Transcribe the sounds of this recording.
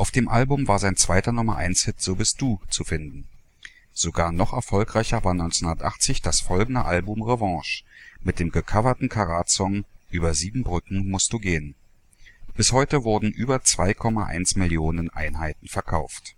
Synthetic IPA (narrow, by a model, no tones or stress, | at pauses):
ʔaʊfd̥eːmʔalbʊmvaːɐzaɪnt͡sv̥aɪtɐnʊmɐʔa̰ɪnshɪtz̥oːbɪst̚d̥uːt͡sufɪndn̩ | z̥oɡaːɐnɔχɛɐfɔlkʁ̥aɪçɐvaːɐnɔʏnt͡snʊndɐtʔa̰χt͡sɪçd̥asfɔlɡŋ̩dəʔalbʊmʁevɑ̃ːʃmɪt̚d̥eːmɡəkʰavɐtn̩kʰaʁaːtsɔŋʔyːbɐziːbm̩bʁʏkŋ̩mʊst̚d̥uːɡeːən | b̥ɪshɔʏtəvʊɐdn̩ʔyːbɐt͡sv̥aɪkʰɔmaʔa̰ɪnsmɪljoːnənʔa̰ɪnhaɪtn̩fɛɐkʰaʊft